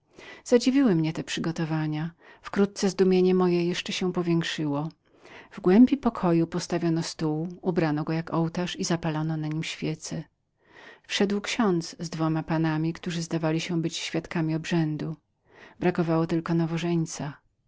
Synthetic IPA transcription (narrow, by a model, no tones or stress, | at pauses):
z̥ad͡ʑivʲiwɘmɲɛt̪ɛpʂɘɡɔt̪ɔvaɲa | fkɾut̪̚t̪sɛzd̪umʲjeɲɛmɔjɛjɛʂt͡ʂɛɕɛ̃pɔvʲjɛ̃ŋkʂɘwɔ | vɡwɛmbʲipɔkʰɔjupɔst̪avʲjɔnɔst̪uwubɾanɔɡɔjakɔwt̪aʂizapalɔnɔnaɲimɕfʲjɛt̪sɛ | fʂɛd̪wkɕɔnt̪szd̪vɔmapanamʲikt̪uʐɘzd̪avalʲiɕɛ̃bɘt͡ɕɕfʲjat̪kamʲiɔbʐɛnd̪u | bɾakɔvawɔt̪ɘlkɔnavɔʐɛɲt̪sa